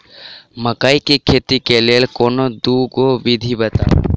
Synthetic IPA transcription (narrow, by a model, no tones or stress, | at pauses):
məkaikik̪ʰet̪ikeleːlkonod̪uɡoʋid̪ʱibət̪a̰